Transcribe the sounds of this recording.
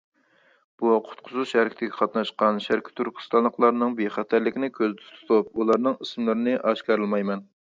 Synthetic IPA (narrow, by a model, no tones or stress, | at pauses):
b̥uqʰʊ̥t̪̚qʰʊzuʃæɾkʲʰɪt̪ɪɡʲɛqʰɑt̪nɑʃqɑnʃæɾkʲʰɪ̥t̪ʰyɾkʲʰɪ̥st̪ɑnlˠəqlˠɑɾnɨŋbeχæt̪ʰæɾlɪkʲinɪkʲʰøzd̪ɪtʰt̪ʰu̥t̪ʰup̚ulˠɑɾnɨŋɨsmlˠɨɾɨnɨʔɑʃkɑɾɨlˠmɑjmɛn